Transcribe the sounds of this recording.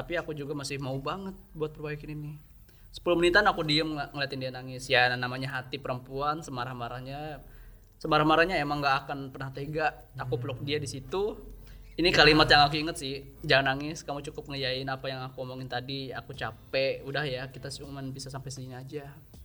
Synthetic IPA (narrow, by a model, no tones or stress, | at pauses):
t̪apiakud͡ʒuɡamasɪhmaubaŋət̪̚buat̪̚pərbajakɪninɪ | sə̥pəlʊmənint̪anakudiəmŋŋəliat̪ɪndianaŋɪsjanamaɲaɦat̪ipəɾəmpuansəmaɾahmaɾahɲa | səmaɾahmaɾahɲaemaŋɡaʔːkanpərnaht̪eɡaʔːkupəlʊk̚diadisit̪u | inikalimat̪jaŋakuiŋət̪sɪh | d͡ʒaŋanaŋɪskamut͡ʃukʊp̚ŋəjaɪnapajaŋakuɔmoŋɪnt̪adia̰kut͡ʃapɛʔudahjakit̪asumanbisasampajsəiɲad͡ʒa